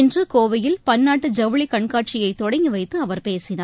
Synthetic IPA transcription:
ɪndrɯkoːʋɐjɪlpɐnːaːʈːɯd͡ʒɐʋɐɭikɐɳkaːʈ̚t͡ʃɪjɐɪt̪ːɔɽɐŋɡiʋɐɪt̪ːɯɐʋɐɾpeːsɪnaː

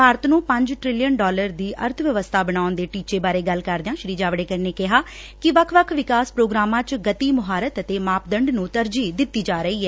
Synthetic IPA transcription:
bʱaːɾət̪nũːpə̃ɲd͡ʒʈɾɪlijənɖɔːləɾd̪iːʔə̰ɾt̪ʰʋjəʋəst̪ʰaːbəɽaːʊnd̪eːʈiːt͡ʃeːbaːɾeːɡəlkəɾd̪eãːʃɾiːd͡ʒaːʋɽeːkəɾneːkɪɦaː | kɪʋəkʰʋəkʰʋɪkaːspɾoːɡɾaːmãːt͡ʃɡət̪iːmʊɦaːɾət̪ət̪eːmaːpd̪əɳɖnũːt̪əɾd͡ʒiːd̪ɪt̪ːiːd͡ʒaːɾəiːɛː

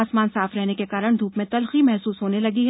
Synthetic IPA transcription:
aːsmaːnsaːfɾɛɦnekekaːɾəɽ̃d̪ʱuːpmẽt̪ɐlximɛɦsuːsɦoːnelɐɡiɦ

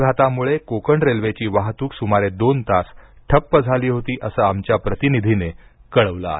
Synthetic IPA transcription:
ɡʱat̪amuɭekokəɳɖɾelʋet͡ɕiːʋaɦt̪uːksumaɾed̪ont̪asʈʰəpːəd͡zʱaliːɦot̪iːʔəsəamt͡ɕjapɾət̪inid̪ʱinekəɭəʋla̰

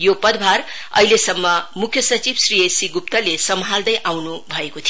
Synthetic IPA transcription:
jopʌd̪bʱar | ʌ̰ɦilesʌmːʌmukʰjʌsʌt͡sibsriesiɡupt̪ʌlesʌmɦald̪ʌjʔawnubʱʌekot̪ʰijo

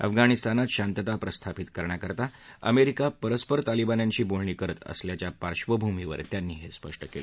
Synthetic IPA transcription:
ə̰fɡaɽ̃ist̪anat̪ɕant̪ət̪apɾəst̪ʰapit̪kəɾɳjakəɾt̪aə̰meɾikapəɾəspəɾt̪alibanjaɲt͡ɕiːbolɳiːkəɾət̪ə̰sljat͡ɕjapaɾɕʋəbʱumiʋə̰ɾt̪janːiːɦespəʂʈəkele

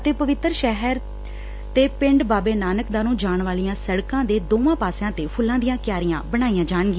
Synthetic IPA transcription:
ət̪eːpəʋɪt̪ːɾʃɛɦəɾ | t̪eːpɪɳɖbaːbeːnaːnəkd̪aːnũːd͡ʒaːɳʋaːlijãːsəɽkãːd̪eːd̪oːʋãːpaːsjãːt̪eːpʰʊlːãːd̪ɪjãːkjaːɾɪjãːbəɽ̃aːijãːd͡ʒaːɳɡiː

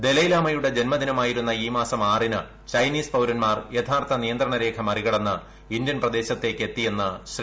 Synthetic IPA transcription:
d̪e̞lɐjlaːmɐjuɽe̞d͡ʑe̞nmɐd̪inɐmaːjiɾun̪ːɐiːmaːsɐmaːrinɨ | t͡ɕɐjniːspɐwɾɐnmaːrjet̪ʰaːrt̪ʰɐnijɐnd̪ɾɐɳɐɾe̞ːkʰɐmɐriɣɐɽɐnːɨ | ind̪jɐnprɐd̪e̞ːɕɐt̪ːe̞ːkːe̞t̪ːije̞nːɨɕri

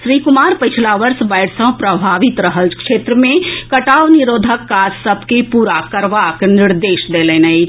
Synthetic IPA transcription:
ʃɾiːkʊmaːɾpət͡ʃʰlaʋəɾsbəɪɽsə̃ɦpɾəbʱaːʋɪt̪ɾəɦəlkʃeːt̪ɾəmẽkəʈaːʋniɾoːd̪ʱəkːad͡ʒsəbʱkepuːɾakəɾʋaknɪɾd̪eːʃd̪eːleːnəi

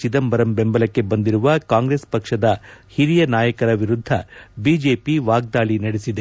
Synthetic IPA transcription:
t͡ʃid̪ɐmbɐɾɐmbe̞mbɐlɐkːe̞bɐnd̪iɾuʋɐkaːŋɡɾespɐkʂɐd̪ɐhiɾijɐnaːjɐkɐɾɐʋiɾud̪ʱːɐbiːd͡ʒe̞ːpiʋaːɡ̚d̪aːɭinɐɽesid̪e

